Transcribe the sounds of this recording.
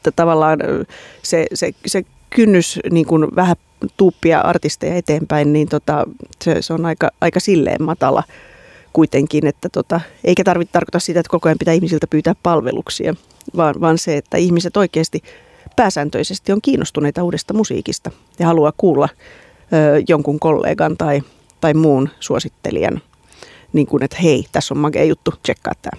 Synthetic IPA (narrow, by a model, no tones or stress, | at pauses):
et̪ːæt̪ɑʋɑlːɑːnsesese | kynːysniːŋkunʋæhæ | t̪uːpːiɑ̰ʔɑ̰rt̪ist̪ejɑet̪eːmpæinniːnt̪ot̪ɑsḛseonɑikɑɑikɑsilːḛːmmɑt̪ɑ̰lɑ̰ | kuit̪eŋkinet̪ːæt̪ot̪ɑeikæt̪ɑrʋit̪ɑrko̥t̪ɑsit̪æet̪kokoɑmpit̪æːihmisilt̪æpyːt̪æːppɑlʋḛlʔṵksḭɑ̰ | ʋɑːnʋɑːnseet̪ːæ̰ihmiset̪oikeːst̪i | pæːsæːnt̪ø̰isest̪ioŋkiːnʔost̪uneit̪ɑuːɾest̪ɑmusḭːkist̪ɑ | jɑhɑluɑkkuːlːɑ | øːjoŋkuŋkolːḛːɡɑnt̪ɑi | t̪ɑimmuːnsuosit̪ːḛlḭæ̰n | niːŋkunet̪heit̪æsːommɑɡḛːjut̪ːut͡ʃekːɑ̰ːt̪ːæ̰ː